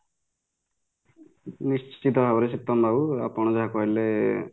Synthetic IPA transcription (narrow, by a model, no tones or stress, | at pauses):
nist͡ʃt͡ʃit̪ɔɦawɾesik̚t̪ɔmbawa̰pɔɽ̃ɔd͡ʒaɦakɔɦile